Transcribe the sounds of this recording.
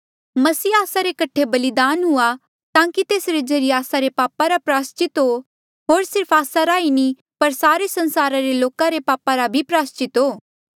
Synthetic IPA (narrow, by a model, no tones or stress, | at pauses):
mɐsiːaːsaɾekɐʈʰːebɐlɪd̪aːnɦʊa | t̪ãːkit̪eːsɾed͡ʒɐɾiaːsaɾepaːpaɾapɾaːst͡ʃɪt̪ɦo | ɦoːɾsɪɾpʰaːsaɾaːini | pɐɾsaːɾesɐ̃nsaːɾaɾeloːkãɾepaːpaɾabʱipɾaːst͡ʃɪt̪ɦoː